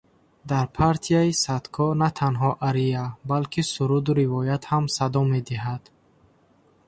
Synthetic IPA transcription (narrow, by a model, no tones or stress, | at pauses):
d̪aɾpʰaɾt̪ʰijaisat̪kʰɔnat̪ʰanɦɔʔaɾijabalkʰisuɾud̪uɾivɔjat̪hamsad̪ɔme̞d̪iɦad̪̥